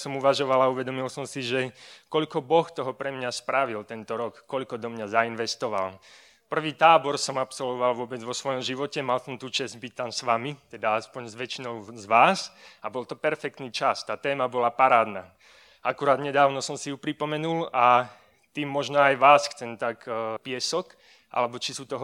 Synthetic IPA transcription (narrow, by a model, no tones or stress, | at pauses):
sɔmuʋaʒɔʋalauʋɛd̪ɔmilsɔmsiʒɛkɔʎkɔbɔxt̪ɔɦɔpɾɛmɲaspɾaʋilt̪ɛnt̪ɔɾɔkːɔʎkɔd̪ɔmɲazainʋɛst̪ɔʋa̰l | pr̩ʋiːt̪aːbɔɾsɔmapsɔlʋɔʋalʋʊɔbɛd͡zʋɔsʋɔjɔmʒiʋɔcɛmalsɔmt̪uːt͡ʃɛzɟbic̚t̪ansʋamit̪ɛd̪aaspɔɲzʋɛt͡ʃinɔʊzʋaːsabɔlt̪ɔpɛɾfɛk̚t̪niːt͡ʃast̪aːt̪ɛːmabɔlapaɾaːd̪naː | ʔakuɾaːd̪ɲɛd̪aːʊnɔsɔmsiupɾipɔmɛnula | t̪iːmːɔʒnɔajʋaːsxt͡sɛnt̪akpɪɛsɔk | ʔa̰lɛbɔt͡ʃisuːt̪ɔɦ